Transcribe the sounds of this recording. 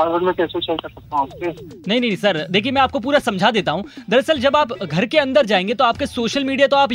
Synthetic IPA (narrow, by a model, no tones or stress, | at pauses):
aːɽbəɾmẽkɛːset͡ʃɐikɐɾsɐk̚t̪aɦũaːpse | nɐɦĩnɐɦĩsɐɾd̪eːkʰiemɛ̃aːp̚kop̬uːɾasɐ̃md͡ʒʱad̪eːt̪aɦũːd̪ɐɾɐsəld͡ʒɐbaːpɡʱɐɾkeɐ̃nd̪əɾd͡ʒaːẽːŋɡet̪oaːp̚kesoːʃəlmiːɖijat̪oaːp